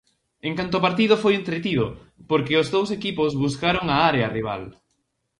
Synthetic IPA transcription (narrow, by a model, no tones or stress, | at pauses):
eŋkant̪ʊpaɾt̪iðʊfojent̪ɾet̪iðʊ | poɾkɪʊzðowsekipozβuskaɾoŋɐaɾeɐriβ̞a̰l